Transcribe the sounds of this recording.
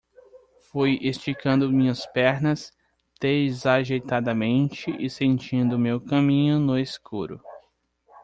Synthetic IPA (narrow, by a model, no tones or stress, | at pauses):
fujest͡ʃikɐ̃nd̪ʊmĩɲɐspɛɾnɐs | d̪̥ezaʒejt̪ad̪ɐmẽnt͡ʃɪʔɪsẽnt͡ʃĩnd̪ʊmewkɐ̃mĩɲʊnʊeskuɾʊ̰